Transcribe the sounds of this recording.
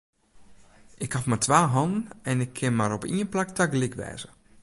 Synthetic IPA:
ɪkhafmatʰʋaːɦɔndn̩ɛnɪkʰːɪnmaɾopiənplak̚tʰaɡ̚ɡlɪkʋɛ̰ːz̥ə

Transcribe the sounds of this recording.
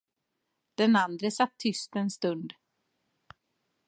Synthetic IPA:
d̪̥ɛnand̪ɾəsat̪ʰːʏst̪ɛnst̪ɵnd̪

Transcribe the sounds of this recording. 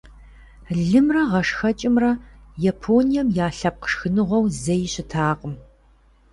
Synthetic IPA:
ɮɨmrɐʁɐʂxɐt͡ʃʼɪmrɐjɐpʰoːnijɐmjaːɬɐp̚qə̥ʂxɨnɨʁʷɔwzɐjɪɕɪtʰaːqʼəm

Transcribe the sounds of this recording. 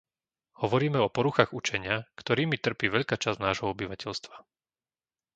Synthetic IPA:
hɔʋɔɾiːmɛɔpɔɾuxaɣut͡ʃɛɲɪakt̪ɔɾiːmit̪r̩piːʋɛʎkaːt͡ʃaznaːʒɦɔɔbiʋacɛʎst̪ʋa

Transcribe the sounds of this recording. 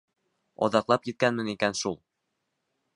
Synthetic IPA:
ɒ̰ðɑqlˠɑpjĭt̪̚kænmɘ̆nikænʃulˠ

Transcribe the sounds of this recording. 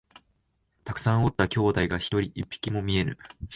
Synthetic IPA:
t̪akɯ̥sãɰ̃o̞t̪ːakʲo̞ːd̪aiɡaçi̥t̪o̞ɾʲiʔipʲːi̥kʲimo̞mʲie̞ɾɯ̟̰

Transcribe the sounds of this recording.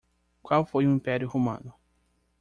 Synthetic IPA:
kwawfojʊĩmpɛɾjʊhomɐ̰̃nʊ

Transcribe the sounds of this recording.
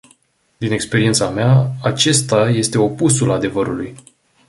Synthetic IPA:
d̪ine̞kspe̞ɾie̞nt̪sameaat͡ʃe̞st̪aje̞st̪e̞o̞pusulad̪e̞vəɾuluj

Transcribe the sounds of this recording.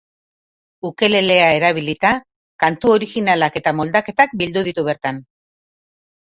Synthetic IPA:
uke̞le̞le̞ae̞ɾaβ̞ilit̪a | kant̪uo̞ɾixinalake̞t̪amo̞ld̪ake̞t̪ak̚bild̪uðit̪uβeɾt̪an

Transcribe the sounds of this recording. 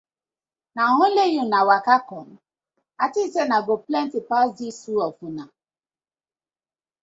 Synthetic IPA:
naɦʊlejunawakakɔn | atitenaɡoplɛntipasdisuɔkuna

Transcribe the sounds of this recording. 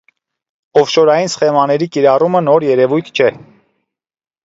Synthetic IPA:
ɔfʃɔɾɑjinsə̥χɛmɑnɛɾikiɾɑrumənɔɾjɛɾɛvujt̪ʰt͡ʃʰɛ

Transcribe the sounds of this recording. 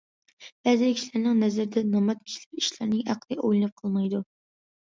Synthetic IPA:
b̥ɛzɪkʲʰi̥ʃlɪɾnɪŋnɛzɪɾɪd̪ɛnɑmɑt̪̚kʲʰi̥ʃlɪpiʃlæɾnɪŋæqlˠɨʔojlˠɨnɨp̚qʰəlˠmɑjd̪u

